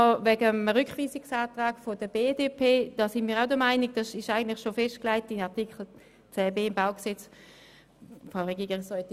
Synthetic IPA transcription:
vɛɡəmʁʏkχʋiːsiksaːtʁaːkfodəbeːdeːpʰeːd̥ɑːsɪnmiːʁaʊdəmaɪnik̚d̥ɑsɪʃaɪɡən̩tlɪχʃofɛʃtklaɪtɪnaʁtikχl̩ | t͡sɛːbeːɪmbaʊksɛt͡s | fʁaʊʁeɡiːɡɪsɔjti

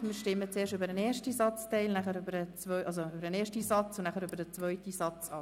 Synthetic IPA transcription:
miːʃtɪmːət͡seːɾʃtøbəɾəneːɾʃtisɑt͡stɛɪlnæχəɾybəɾət͡svœʏʔɑlsoybəɾəneːʃtisɑt͡sʊnnæχəɾybədət͡svœʏtisɑt͡sɑː

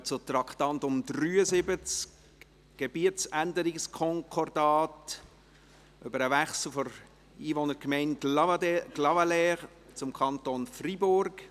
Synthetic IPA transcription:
t͡sʊtɾɑktɑntʊmdɾyːəzɪbət͡sk | ɡ̥eb̥iətt͡sændəɾɪkskʰɔŋkʰɔɾdɑːt | ʔøbəɾəvɛχsl̩fɔɾ | iːvonəɾkmɛɪn | ɡ̥lɑvalɛ | t͡sʊmkʰɑntonfribʊɾɡ̥

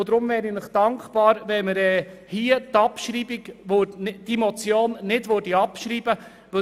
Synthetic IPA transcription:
ʊd̪ɾʊmvɛːɾinɪχd̥ɑŋkχpɑːɾʋɛməɾɛːhiətɑpʃɾiːbiɡʋødnɪd̥mɔt͡sjoːnːɪdʋøɾdiɑpʃɾiːb̥ə | ʋɪ

